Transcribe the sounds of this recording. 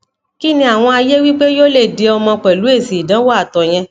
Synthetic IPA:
ki˦nĩ˧a˦˨w̃ɔ̃˧a˧je˦wi˦k͡pe˦jo˦le˦˨de˨˧ɔ˧mɔ̃˧k͡pɛ˨lu˨˦e˦˨si˨i˨dã˨˦wɔ˦a˦˨tɔ˨j̃ɛ̃˧

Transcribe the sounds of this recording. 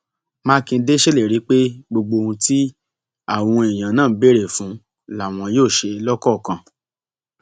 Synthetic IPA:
mãː˦kĩ˧n̩˧˦de˦ʃe˦le˨ɾi˨˦k͡pe˦ɡ͡bo˧ɡ͡bo˧ũ˧ti˦ | a˦˨w̃ɔ̃˧e˨j̃ã˨nãː˦˨˦be˦˨ɾe˨fũ˨˦ | la˨w̃ɔ̃˧joː˦˨ʃe˧lɔ˦kɔ˦˨kã˨

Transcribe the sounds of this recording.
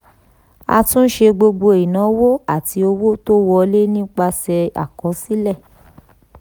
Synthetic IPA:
a̰˧tũ˦n̩˦ʃe˧ɡ͡bo˧ɡ͡bo˧i˨nã˨˦wo˦a˦˨ti˧o˧wo˦to˦wɔ˧le˦nĩ˦k͡pa˧sɛ˧a̰˨kɔ˨˦si˦lɛ˦˨

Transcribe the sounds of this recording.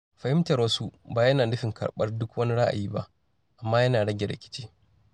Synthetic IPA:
ɸɐ˨hɪ˦mtɐ˨ɾwɐ˦su˦baː˨jɐ˦naː˨nʊ˦ɸɪ˨ŋkʰɐ̰˨ɽɓɐ˦rdʊ˦kwɐ˦ni˦ɽa˦ʔa̰˨jiː˦ba˦ʔ | ʔa˨mːaː˦jɐ˦naː˨ɽɐ˦ɡʲɛ˨ɽɐ̰˨kʲɪ̥˦t͡ʃiː˦

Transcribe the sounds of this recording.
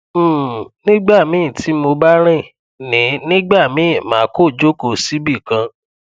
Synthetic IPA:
nĩ˦ɡ͡ba˦˨mĩ˨˦˨ti˨˦mo˧ba˦ɾ̃ĩ˦˨ | nĩ˨˦nĩ˦ɡ͡ba˦˨mĩ˨˦˨mãː˨˦ko˦˨d͡ʒo˦ko˦˨si˦bi˦˨kã˧

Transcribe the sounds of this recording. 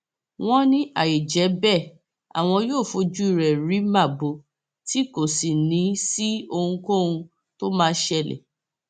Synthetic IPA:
w̃ɔ̃˦nĩ˦ʔa˦˨je˨d͡ʒɛ˨˦bɛ˦˨ | a̰˨w̃ɔ̃˧joː˦˨fo˧d͡ʒu˦i˦˨ɾɛ˨ɾi˨˦ma˦˨bo˨˦ | ti˦ko˦˨si˨nĩ˨˦si˦o˧hũ˧ko˦˨ũ˧ | to˦mãː˦˧˦ʃɛ˧˨lɛ̰˨

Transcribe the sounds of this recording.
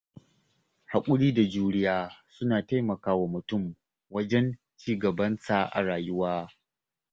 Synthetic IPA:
ha˨kʷʼʊ˦ɽiː˦da˨d͡ʒuː˦ɽɪ˦jaː˦sʊ˦naː˨ta˦jmɐ˨kaː˦wa˨mʊ˨tʊ˦˨m | wɐ˦d͡ʒɛ˦n | t͡ʃiː˦ɡɐ˨bɐ˦nsa˨ʔa̰˨ɽaː˨jʊ˦waː˦

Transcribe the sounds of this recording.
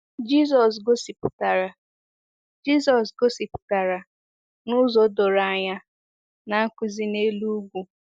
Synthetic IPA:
d͡ʒi˦s̬ɔ˨s̬ɡo˦si˨pʊ˨ta˨ɾa˨ | d͡ʒi˦sɔ˨s̬ɡo˦si˨pʊ̥˨ta˨ɾa˨ | nʊ˦zo˨do˨ɾa˨a˦˨ɲa˦ | na˨˦kʷi˦zi˦ne˦lu˦ɡʷu˨

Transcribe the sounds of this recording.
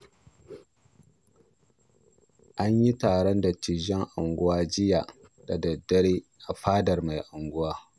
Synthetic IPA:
ʔa˦ɲji˦taː˨ɽɔ˦nda˨t͡ʃi˨ʒɛ˦ŋʔa˨ŋɡʷʊ˦waː˦d͡ʒɪ˦ja˨ | da˨dɐ˨dːɐ˦ɽeː˦ʔa˨ɸaː˦dɐ˨rma˨jʔa˨ŋɡʷʊ˦waː˦

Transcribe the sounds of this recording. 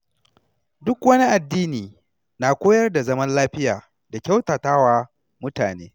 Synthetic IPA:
dʊ˦kwɐ˦ni˦ʔa˨dːiː˦niː˨ | na˨kʷoː˦jɐ˦rda˨zɐ˦mɐ˦nlaː˦ɸɪ˦jaː˨ | da˨kʲa˦wtaː˨taː˦waː˨ | mʊ˦taː˨neː˦

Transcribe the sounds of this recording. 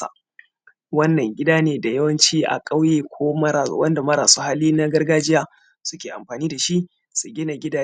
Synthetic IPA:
a̰˨ | wɐ˦nːɐ˨ŋɡʲɪ˦daː˦neː˨da˨jɐ˦wɐ˦nt͡ʃiː˦ʔa̰˨kʼa˦wjeː˨kʷʰoː˦mɐ˦ɾa̰ː˨˦wɐ˦nda˨mɐ˦ɾaː˨soː˦ha˦liː˦na˦ɡɐ˦rɡaː˦d͡ʒɪ˦jaː˦ | sʊ˦kʲeː˨ʔa̰˨mɸaː˨niː˦da˨ʃi˦ʔ | su˨ɡʲɪ˦na˨ɡʲɪ˦daː˨

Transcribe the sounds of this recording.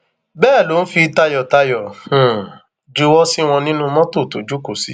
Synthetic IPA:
bɛː˦˨lo˨˦n̩˦fi˧ta˧jɔ˨ta˧jɔ̃˨ | d͡ʒu˧˦wɔ˦si˦w̃ɔ̃˧nĩ˦nũ˦mɔ̃˦to˦˨to˨d͡ʒu˨˦ko˨si˨˦

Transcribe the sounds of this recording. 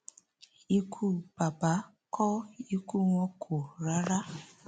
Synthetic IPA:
i˦kʰu˦ba˨ba˦ | kɔ˦i˦ku˦ŋʷɔ˦kʰo˨ɾa˦ɾa˦

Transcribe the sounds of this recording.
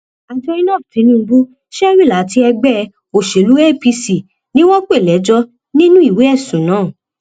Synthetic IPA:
a˧d͡ʒɔ˧i˦nɔ̃˦˨tĩ˨˦nĩ˦˧ɡ͡bu˦ | ʃɛ˦ɾi˦˨la˨˦ti˧˦ɛ˧ɡ͡bɛ˦˨ | o˨ʃe˨lu˨˦e˦pi˧si˨ | nĩ˦w̃ɔ̃˦k͡pe˦˨lɛ˨˦d͡ʒɔ˧ | nĩ˦nũ˦i˦˨we˨˦ɛ˦˨sũ˨˦nãː˨˦˨

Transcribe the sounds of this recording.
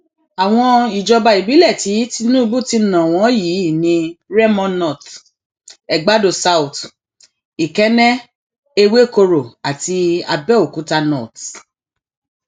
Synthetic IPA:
a˨w̃ɔ̃˧i˨d͡ʒɔ˧ba˧i˨bi˨˦lɛ˦˨ti˨˦ti˦nũ˦i˦˧bu˦˨ti˧nã˨w̃ɔ̃˨˦ji˨˦˨nĩ˧ɾɛ˦mɔ̃˧nɔ˦˨t | ɛ˨ɡ͡ba˦do˨sa˦u˨t | i˨kɛ˨˦nɛ̃˦ | e˧we˦˨ko˧ɾo˨a˨ti˧a̰˧bɛ˦o˨ku˨˦ta˧nɔ̰˦˨t

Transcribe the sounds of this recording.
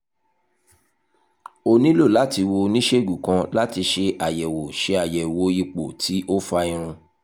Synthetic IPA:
o˧nĩ˦lo˦˨la˨˦ti˧wo˧nĩ˦ʃe˦˨ɡu˨kã˧˦la˦ti˧ʃe˧ʔa˨jɛ˨wo˨ʃe˨˧˦a˨jɛ˨wo˨˦i˧k͡po˨tʰi˨˦o˦fa˧ĩ˧ɾ̃ũ˧

